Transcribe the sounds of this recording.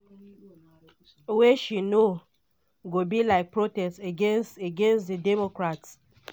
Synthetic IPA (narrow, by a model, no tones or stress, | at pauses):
weʃino | ɡobilaɪk̚pɹotɛsteɡẽnsteɡẽnsðidɛmokɹats